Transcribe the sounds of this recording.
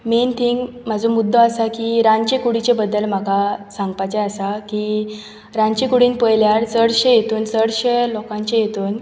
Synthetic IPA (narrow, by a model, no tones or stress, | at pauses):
ment̪ʰiŋɡm̤ad͡zʱomud̪ʱːɔasakiɾãɲt͡ɕekuɽit͡ɕebəd̪ːəlm̤akasãŋɡpajt͡ɕeəsaki | ɾãɲt͡ɕekuɽiːnpəjljaɾt͡səɽɕejet̪uːnt͡səɽɕelɔkãɲt͡ɕejet̪uːn